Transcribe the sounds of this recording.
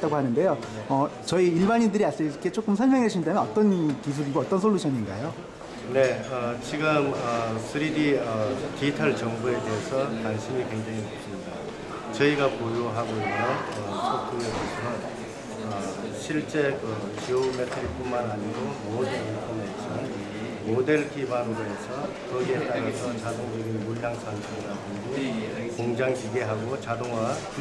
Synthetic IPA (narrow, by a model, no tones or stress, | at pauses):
t͈aɡohanɯnde̞joʌ | t͡ɕʌiːɭbaɲindɯɾias͈eket͡ɕ͈ok͈ɯmsʰʌɭmjʌŋɦeɕʰinidajʌnʌt͈ʌnkis̬ʰuɾiɡoʌt͈ʌnsʰoɭːuɕʰʌɲiŋɡajo | ne̞ʌt͡ɕiɡɯmʌsʰɯɾiɾiʌtitʰaɭt͡ɕʌŋbue̞de̞ːsʰʌtanɕʰimikwe̞ŋd͡ʑaŋiop̚s͈ʰɯmɲida | t͡ɕʌiɡapoɾjoɦaɡoinjʌnʌsʰok͈ʰuemosʰɯɾʌn | ʌɕʰiɭt͡ɕ͈e̞kɯt͡ɕiometʰɯɾip͈ummanaɲiɡomodɯninpʰʌnːeit͡ɕ͈iman | mode̞ɭkʰibanɯɾoɦesʰʌ | kʌɡiet͈aɾasʰʌt͡ɕadoŋd͡ʑʌɡimuʎjaŋsʰansʰeɡiɾadɯɡokoŋd͡ʑaŋd͡ʑiɡe̞ɦaɡot͡ɕadoŋwa